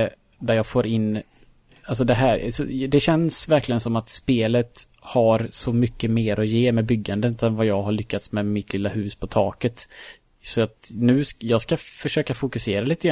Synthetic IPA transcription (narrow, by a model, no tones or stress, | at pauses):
d̪æɾjɑːɡfoːɾɪnː | als̬ɔd̪ɛɦæɾsɔ̰d̪ɛɕɛnsvæɾklɪɡənsɔmːat̪speːlət̪ | haɾsɔmʏkːəmeːɾʔɔjeːmɛbʏɡːand̪ənːt̪ɛnvajɑːɡɦaɭʏkːat̪smɛmɪt̪ʰlɪlːahʉ̟ːspʰɔt̪ʰɑːkət̪ | sɔat̪nʉ̟ːsjɑːɡskafœʂøːkafʊkɵseːɾaliːt̪əɡɾ